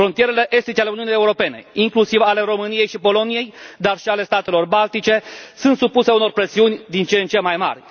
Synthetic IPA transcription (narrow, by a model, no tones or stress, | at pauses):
fɾo̞nt̪ije̞ɾe̞le̞ʔe̞st̪it͡ʃealeuniunije̞uɾo̞pe̞ne̞̰iŋklusivale̞ɾo̞mɨnije̞jʃipo̞lo̞nije̞jd̪arʃiale̞st̪at̪e̞lo̞rbalt̪it͡ʃe̞sunt̪supuse̞uno̞rpɾe̞siunʲd̪int͡ʃent͡ʃe̞majma̰rʲ